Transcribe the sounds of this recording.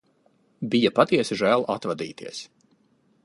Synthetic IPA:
bijapat̪iɛsiʒæːlˠʔat̪vad̪ḭːt̪ʰiɛs

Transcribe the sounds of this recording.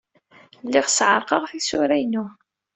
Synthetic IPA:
lːiʁsʕəɾˤqɑʁθisʊɾæjnu

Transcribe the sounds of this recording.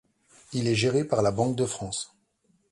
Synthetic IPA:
ilɛʒeʁepaʁlabɑ̃k̚d̪əfχɑ̃s

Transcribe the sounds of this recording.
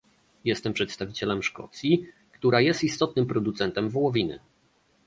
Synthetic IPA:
jɛst̪ɛmpʂɛt̪st̪avʲit͡ɕɛlɛmʂkɔ̰t̪sʲji | kt̪uɾajɛst̪ist̪ɔt̪̚nɘmpɾɔd̪ut̪sɛnt̪ɛmvɔwɔvʲinɘ̰

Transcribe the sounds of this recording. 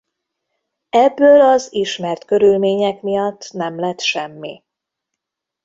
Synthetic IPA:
ɛbːøːlɒziʃmɛrt̪kø̞ɾylmeːɲɛkmijɒt̪ːnɛmlɛt̪ʃɛmːḭ

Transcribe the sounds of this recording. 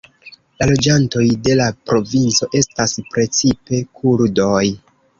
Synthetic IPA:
lalo̞d͡ʒanto̞jde̞lapɾo̞vint͡so̞ʔe̞staspɾe̞t͡sipe̞kʰuɾdo̞j

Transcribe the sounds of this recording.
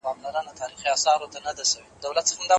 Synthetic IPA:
ɑmlaɾanat̪ʰɑɾixiɑsɑɾot̪anad̪aʃawed̪awlat̪̚səxamd̪ɑ

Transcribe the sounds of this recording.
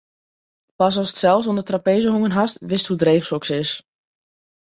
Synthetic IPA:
pɑsɔlˠsə̥tsɛlˠfs̬ondətrapejzəɦoŋənɦastʋɪsthudreːχsɔksɪs

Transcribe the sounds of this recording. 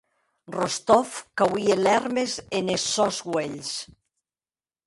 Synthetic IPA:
rost̪ɔfkawielɛɾmezenesːɔzɡweʎs

